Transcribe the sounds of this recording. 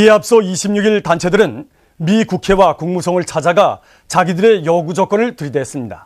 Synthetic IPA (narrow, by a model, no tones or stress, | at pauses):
ieap̚s͈ʌiɕʰimɲuɡiɭtant͡ɕʰe̞dɯɾɯn | mikukʰe̞wakuŋmusʰʌŋɯɭt͡ɕʰad͡ʑaɡa | t͡ɕaɡidɯɾe̞jʌɡud͡ʑʌk͈ʌnɯɭtɯɾideɦes͈ɯmɲida̰